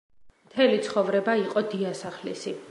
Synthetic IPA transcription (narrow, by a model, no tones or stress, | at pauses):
mt̪ʰɛlit̪sʰχɔvɾɛbaiqʼɔd̪iasaχlḭsi